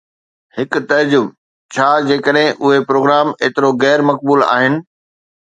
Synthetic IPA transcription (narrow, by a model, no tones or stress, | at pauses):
hɪk̆t̪ɐɾd͡ʑʊb | t͡ɕʰaːd͡ʑeːkəɗɦɪ̃ʔʊɦepɾoːɡɾaːmeːt̪ɪɾoɣɛːɾmɐk̚buːla̰ːɦɪnɪ̆